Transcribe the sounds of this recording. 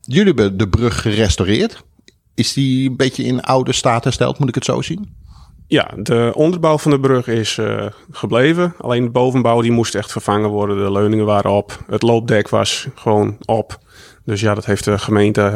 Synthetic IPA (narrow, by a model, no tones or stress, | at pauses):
jøliɛbədəbrøxːərɛstorɪːət | ɪsdiənbɪtjəɪna̰wdəstaːtəstɛ̰lˠtmutɪkətso̰ːsinja̰dəʔɔndərbawfɑndəbrøxɪsxəbleːvəa̰leːndəboːvənbawdimustɛxtfərfaŋəʋɔrdədəløɥnɪŋəʋaːɾəɔpətloːp̚dɛkʰʋɑ̰sxəʋoːnɔp | døs̬jadɔtɦeftəxəmeːntə